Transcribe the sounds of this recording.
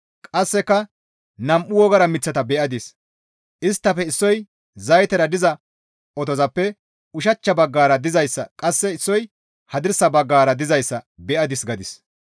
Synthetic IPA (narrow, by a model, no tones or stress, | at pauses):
kʼɐsːɛkːɐ | nɐmʔʊwɔɡɐɾɐmɪt͡sːɐt̪ɐbɛʔɐd̪ɪs | ʔɪst̪ːɐfɛɪsːɔj | zɐjt̪ɛɾɐd̪ɪzɐ | ʔɔt̪ɔzɐpːɛ | ʊʃ̬ɐt͡ʃːɐbɐɡːaːɾɐd̪ɪzɐjsːɐkʼɐsːɛɪsːɔj | hɐd̪ɪɾsɐbɐɡːaːɾɐd̪ɪzɐjsːɐbɛʔɐd̪ɪsɡɐd̪ɪs